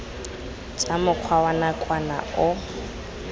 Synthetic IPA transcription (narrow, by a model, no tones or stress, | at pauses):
t͡sʼamʊq͡χʰwawanakʼwana̰ʊ